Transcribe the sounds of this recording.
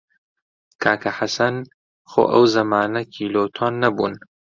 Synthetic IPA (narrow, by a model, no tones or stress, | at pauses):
kʰaːkʰɐħasɐn | xo̰ːʔɐ̰wzɐmaːnɐkʰiːloːt̪ʰoːnːɐbuːn